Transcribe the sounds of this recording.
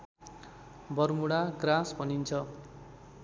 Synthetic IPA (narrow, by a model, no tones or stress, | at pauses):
bʌrmuɽaɡrãsbʱʌnint͡sʰʌ